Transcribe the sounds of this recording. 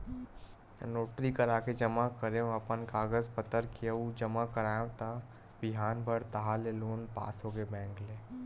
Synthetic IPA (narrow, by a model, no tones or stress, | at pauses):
noːʈɾikəɾaːked͡ʒɐmakəɾeõɐpənkaːɡəzpət̪əɾkiəud͡ʒɐmakɐɾaːjõt̪a | bɪɦaːnbʱəɽt̪ɐɦaleloːnpa̰ːsɦoːɡebɛ̃ːŋkleː